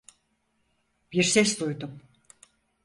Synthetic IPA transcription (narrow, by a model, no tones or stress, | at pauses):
b̥iɾsɛsd̪ujd̪um